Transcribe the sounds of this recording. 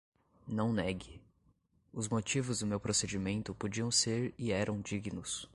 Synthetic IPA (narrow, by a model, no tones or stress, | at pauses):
nɐ̃w̃nɛɡɪ | ʊzmot͡ʃivʊzd̪ʊmewpɾosed͡ʒimẽnt̪ʊpod͡ʒiɐ̃w̃seɾɪɛɾʔɐ̃w̃d͡ʒiɡinʊs